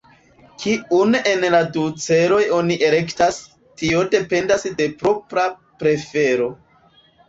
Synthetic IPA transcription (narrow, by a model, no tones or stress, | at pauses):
kiune̞nladut͡se̞ɾo̞jo̞niʔe̞le̞ktas | tio̞de̞pe̞ndasde̞pɾo̞pɾa | pɾe̞fe̞ɾo̞